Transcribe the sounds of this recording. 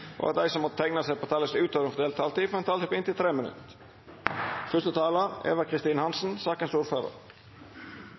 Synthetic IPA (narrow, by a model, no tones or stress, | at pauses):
ʔo̰ːʋæ̰ɾd̪æɪsɔmɔt̪̚t̪ʰæɪŋnɑsɛɪpʰoːt̪ʰɑːləsʉːt̪ʰøːʋɾəŋfɔd̪eːlt̪ʰːɑːlt̪iːfɔɾhɛnt̪ɑːɪːpʰɔɪnt̪ɪlt̪ʰɾeːmənʉ̰t̪ | fœʂt̪ət̪ʰɑːlɑʁḛːʋəkʰʁɪst̪iːnəhɑnsn̩sɑːkənsuːɾføːɾə̰ɾ